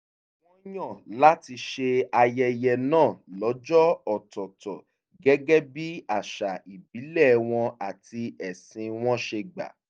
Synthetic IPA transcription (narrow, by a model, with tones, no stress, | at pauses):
w̃ɔ̃˦j̃ɔ̃˦˨la˦ti˧ʃe˧a˧jɛ˧jɛ˧nãː˦˨lɔ˨˦d͡ʒɔ˦ɔ˨tɔ˨tɔ˨ | ɡɛ˦ɡɛ˦bi˦a˦˨ʃa˨i˨bi˨˦lɛ˦˨w̃ɔ̃˧a˨ti˧ɛ˨sĩ˧w̃ɔ̃˦ʃe˧ɡ͡ba̰˨